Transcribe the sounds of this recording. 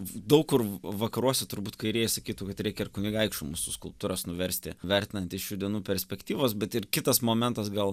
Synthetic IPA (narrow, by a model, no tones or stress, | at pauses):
d̪ɐʊkkʊrʋɐkɐɾuɔsʲɛt̪ʊɾbuːt̪kɐɪɾʲiɛjɛsɐkʲiːt̪ukɐt̪ɾʲɛɪkʲɛɪrkʊnʲiɡɐɪkʃt͡ʃʊmṵːsʊskʊlˠp̚t̪uːɾɐsnʊʋʲɛɾʲsʲt̪ʲɪ̰ʋʲɛɾʲt̪ʲɪnɐnʲt̪ʲɪsʃʲuːd̪ʲiɛnuːpʲɛɾʲsʲpʲɛkt̪ʲiːʋoːsbʲɛt̪ɪrkʲɪt̪ɐsmoːmʲɛnt̪ɐsɡɐlˠ